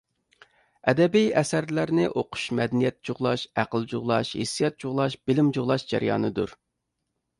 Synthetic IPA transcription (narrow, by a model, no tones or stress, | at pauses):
ɛd̪ɛbijɛsæɾlæɾnɪʔoqʰʊ̥ʃmɛd̪ɛnijɛt̪̚t͡ʃʰuʁlˠɑʃæqəlˠd͡ʒuʁlˠɑʃhḛsːijɑt̪̚t͡ʃʰuʁlˠɑʃb̥ɪlɪmd͡ʒuʁlˠɑʃd͡ʒɛ̰ɾjɑ̰ːnɨd̪uɾ